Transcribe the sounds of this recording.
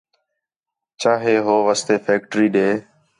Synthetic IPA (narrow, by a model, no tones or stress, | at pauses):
t͡ʃaːɦeːɦoːʋəst̪eːfeːkʈɾiːɗeː